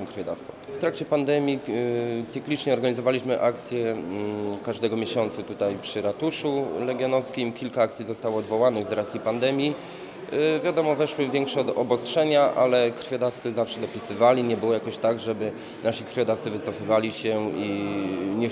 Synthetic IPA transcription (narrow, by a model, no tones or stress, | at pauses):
ɛ̃kɾfʲjɔd̪afsɔ̰̃w̃ft̪ɾakt͡ɕɛpand̪ɛmʲjit̪sɘklʲit͡ʂɲɛɔɾɡaɲizɔvalʲiɕmɘʔakt̪sʲjɛ | kaʐd̪ɛɡɔmʲjeɕɔnt̪sut̪ut̪ajpʂɘɾat̪uʂulɛɡʲjɔnɔfskʲimkʲilkaakt̪sʲizɔst̪awɔːd̪vɔwanɘɣzɾat̪sʲjipand̪ɛmʲji | vʲjad̪ɔmɔvɛʂwɘvʲjɛŋkʂɛɔd̪ɔbɔstʂɛɲaʔalɛkɾfʲjɔd̪aft̪sɘzafʂɛd̪ɔpʲisɘvalʲiɲɛbɘwɔjakɔɕt̪aɡʐɛbɘ | naɕikɾfʲjɔd̪aft̪sɘvɘt̪sɔfɘvalʲiɕɛiɲɛ